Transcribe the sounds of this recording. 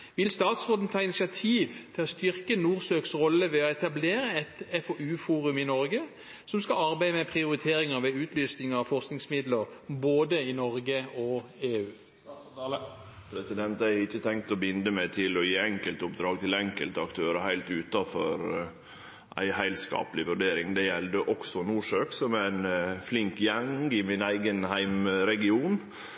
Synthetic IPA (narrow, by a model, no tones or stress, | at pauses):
ʋɪlst̪ɑːt̪sʁoːt̪n̩t̪ʰɑːɪnɪsɪɑt̪ʰiːʋt̪ʰɪlɔst̪ʏɾkənuːʁsøːksʁɔlːəʋɛɔɛt̪ɑbleːɾəɛt̪ɛfɔʔʉːfuːɾʉmɪnɔɾɡə | sɔmskɑɑʁbæɪəmɛpʰʁɪʊɾɪt̪ʰeːɾɪŋəʁʋɛʉːt̪ʰlyːsnɪŋəɑfɔʁsknɪŋsmɪd̪ləʁboːd̪əɪnɔʁɡəɔeːʉː | pʰɾɛsɪd̪ɛnt̪æɪɾɪçːət̪ʰɛŋk̚t̪ɔbɪnd̪əmɛt̪ʰɪlɔjiːɛŋkəlt̪ʊpd̪ɾɑːɡ̚t̪ʰɪlɛŋkəlt̪əɑkt̪ʰøːɾəhæɪlt̪ʉːt̪ɑfɔ̰ɾ | ʔæ̰ɪhæɪlt̪skɑ̰ːpəlɪʋʉɖeːɾɪŋd̪ɛjɛld̪əʔɔksɔnuːʂøːksɔmæɪnflɪŋkjɛŋɪmɪnæɪɡənhæɪmɾɛɡɪuːn